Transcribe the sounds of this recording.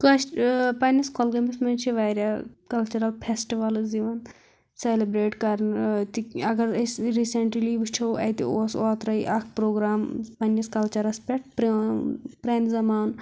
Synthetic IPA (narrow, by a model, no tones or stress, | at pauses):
kɐpɐnɐskolɡɐmismɐnt͡ʃʰiʋaːɾʲakɐlt͡ʃɐɾɐlpʰesʈiʋɐlziʋɐn | selibɾeːʈkɐɾnt̪iɐɡɐɾsɾiːseɳʈɾiliːʋut͡ʃʰɐwɐ̰jt̪ḭoːsoːt̪ɾɐiʔɐkʰpɾoːɡɾaːmpɐnːɐskɐlt͡ʃɐɾɐspʲeʈ̚p | pɾeːnzɐmaːn